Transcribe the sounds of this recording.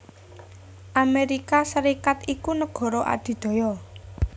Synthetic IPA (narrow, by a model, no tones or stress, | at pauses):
ʔameɾikasəɾikat̪ikunəɡ̥ɔ̤ɾɔʔa̰d̪̥i̤d̪̥ɔ̤jɔ